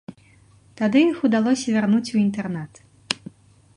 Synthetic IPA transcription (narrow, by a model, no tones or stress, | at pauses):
t̪ad̪ɨjixud̪alˠɔsʲɐvʲarnut͡sʲuint̪ɛrnat̪